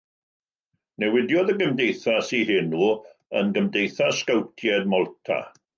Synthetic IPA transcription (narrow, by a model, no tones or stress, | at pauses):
nɛwɪdjɔðəɡəmdejθasihɪnuːənɡəmdejθaskawtʰjɛd̚mɔlˠtʰa̰